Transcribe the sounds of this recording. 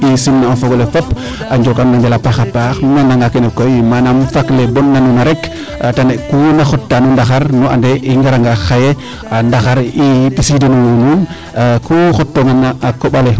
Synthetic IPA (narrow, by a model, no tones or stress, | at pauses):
isinːaafoɡolefopː | aɲd͡ʒokannaɲbɛlapaxapaxnanaŋɡakenɛkojmanamfaklebɔnːanunaɾɛk | atanekunaxɔtːanundaxaɾnua̰ndeʔiŋɡaɾaŋɡaxaje | andaxaɾipisidenuwnun | kuxɔtːoŋanaakoɓale